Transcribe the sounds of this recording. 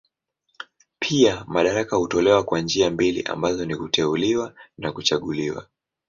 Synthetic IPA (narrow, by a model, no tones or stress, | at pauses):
pʰiamaɗaɾakahutɔlɛwakwand͡ʒiambilḭʔa̰mbazɔnikutʰɛuliwanakut͡ʃaɠuliwa̰